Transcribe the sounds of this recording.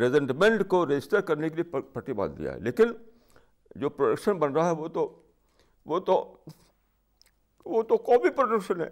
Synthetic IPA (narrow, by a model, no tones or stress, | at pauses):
ɾezə̃ɳʈmẽɳʈkoɾed͡ʒɪsʈəɾkɐɾnekelieppɐʈiba̰ːd̪d̪ḭja̰ɦɛ̰leːkɪn | d͡ʒoːpɾoɖəkʃənbɐnɾaɦaɦɛʋot̪o | ʋoːt̪o | ʋot̪okɔːbipɾoɖəkʃənɦɛ̰ː